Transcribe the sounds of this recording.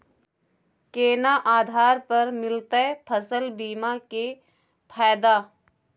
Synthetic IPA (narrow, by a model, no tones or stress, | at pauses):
keːnaʔaːd̪ʱaːɾpɐɾmɪlt̪əpʰəsəlbiːmake | pʰaːd̪aː